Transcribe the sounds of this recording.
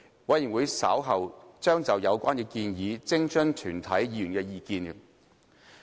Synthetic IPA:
wɐ˨˧jiː˨˩nwu˨˧jsɐa̰ː˨˥wɦɐ˨wt͡ʃœː˥ŋt͡sɐ˨wjɐ˨˧wkʷaː˥nkɛː˧kiː˧njiː˨˧t͡sɪ˥ŋt͡ʃɵ˥nt̪ʰyː˨˩nt̪ʰɐ˨˥jjiː˨˧jyː˨˩nkɛː˧jiː˨kiː˧n

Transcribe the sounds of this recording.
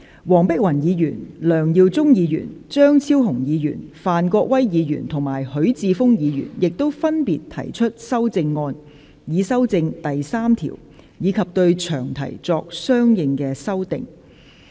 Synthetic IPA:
wɔː˨˩ŋpɪ˥k̚wɐ˨˩njiː˨˧jy̰ː˨˩nlœː˨˩ŋjiː˧wt͡sʊ˥ŋjiː˨˧jy̰ː˨˩nt͡ʃœː˥ŋt͡sʰiː˥wɦʊ˨˩ŋjiː˨˧jy̰ː˨˩nfaː˨˩nkɔː˧k̚wɐ˥jjiː˨˧jy̰˨˩nt̪ʰʊ˨˩ŋmaː˨˩jhɵ˨˥ɥt͡siː˧fʊ˥ŋjiː˨˧jy̰ː˨˩njɪ˨k̚t̪o˥wfɐ˥npḭː˨t̪ʰɐ̰˨˩jt͡ʃʰɵ˥t̚sɐ˥wt͡sɪ˧ŋːɔː˧n | jiː˨˧sɐ˥wt͡sɪ˧ŋt̪ɐ˨jsaː˥mt̪ʰḭː˨˩w | jiː˨˧kʰɐ˨p̚t̪ɵ˧ɥt͡ʃʰœː˨˩ŋt̪ʰɐ̰˨˩jt͡sɔː˧k̚sœː˥ŋjɪ˨˧ŋkɛː˧sɐ˥wt̪ɪ̰˨˧ŋ

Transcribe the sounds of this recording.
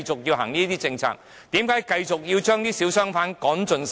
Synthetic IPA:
jt͡sʊ˨k̚jiː˧wɦa̰ː˨˩ŋniː˥t̪iː˥t͡sɪ˧ŋt͡sʰa̰ː˧˥k̚ | t̪iː˨˥mkaː˨˥jkɐ˧jt͡sʊ˨k̚jiː˧wt͡ʃœː˥ŋniː˥siː˨˥wsœː˥ŋfaː˨˥nkɔː˨˥nt͡ʃɵ˨˧ns

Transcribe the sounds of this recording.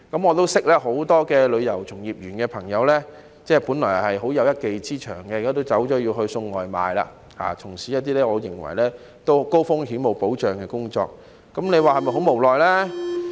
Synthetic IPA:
kɐ˨˥mŋɔː˨˧t̪o˥wsɪ˥k̚lɛː˥ɦo˨˥wt̪ɔː˥kɛː˧lɵ˨˧ɥjɐ˨˩wt͡sʰʊ˨˩ŋjiː˨p̚jyː˨˩nkɛː˧pʰɐ˨˩ŋjɐ˨˧wlɛː˥ | t͡sɛː˥puː˨˥nlɔː˨˩hɐ˨jɦo˨˥wjɐ˨˧wjɐ˥t̚ke˨jt͡siː˥t͡ʃʰœ̰ː˨˩ŋkɛː˧˨kːaː˥t̪o˥wt͡sɐ˨˥wt͡ʃɔː˨˥jiː˧wɦɵ˧ɥsɵ˧ŋːɔː˨jma̰ː˨jla̰ː˧ | ha̰ː˨t͡sʰʊ˨˩ŋsiː˨˥jɐ˥t̪̚iː˥lɛː˥ŋɔː˨˧jɪ̰˨˩ŋwɐ̰˨˩jlɛː˥ | t̪o˥wko˥wfʊ˥ŋɦiː˨˥mo˨˩wpo˨˥wt͡ʃœː˨ŋkɛː˧kʊ˥ŋt͡ʃɔ̰ː˧k̚ː | ɐ˨˥mle˨˧jwaː˨˩hɐ˨jmɐ˨jɦo˨˥wmo˨˩wlɔː˨jlɛː˥

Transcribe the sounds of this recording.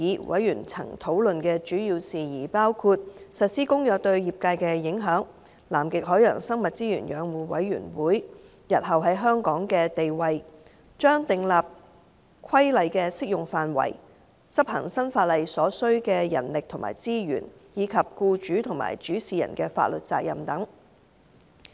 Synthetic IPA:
iː˨˥wʔɐ˨˥jjy̰ː˨˩nt͡sʰɐ̰˨˩ŋt̪ʰo˨˥wlɵ˨nkɛː˧t͡ʃyː˨˥jiː˧wsiː˨jiː˨˩paː˥wkʰuː˧t̚sɐ˨t̚siː˥kʊ˥ŋjœː˨k̚t̪ɵ˧ɥjiː˨p̚kaː˧jkɛː˧jɪ˨˥ŋɦœː˨˥ŋ | la̰ː˨˩mkɪ˨k̚ɦɔː˨˥jœ̰ː˨˩ŋsɐ˥ŋmɐ˨t̚t͡siː˥jy̰ː˨˩njœː˨˧ŋwuː˨˥wɐ̰˨˥jɥy̰ː˨˩nwuː˨˥j | jɐ˨t̚ɦɐ˨wɦɐ˨˥jɦœː˥ŋkɔː˨˥ŋkɛː˧t̪e˨jwɐ˨j | t͡ʃœː˥ŋt̪ɪ˨ŋlaː˨p̚ | kʰɐ˥jlɐ˨jkɛː˧sɪ˥k̚jʊ˨˩ŋfaː˨nwɐ̰˨˩j | t͡sɐ˥p̚hɐ̰˨˩ŋsɐ˥nfaː˧t̚lɐ˨jsɔː˨˥sɵ˥ɥkɛː˧jɐ̰˨˩nlɪ˨k̚t̪ʰʊ˨˩ŋma̰ː˨jt͡siː˥jy̰ː˨˩njiː˨˧˥kʰɐ˨p̚kuː˧t͡ʃyː˨˥t̪ʰʊ˨˩ŋma̰ː˨˩jt͡ʃyː˨˥siː˨jɐ̰˨˩nkɛː˧fa̰ː˧t̚lɵ˨t̚t͡sa̰ː˧k̚jɐ˨mt̪ɐ˨˥ŋ

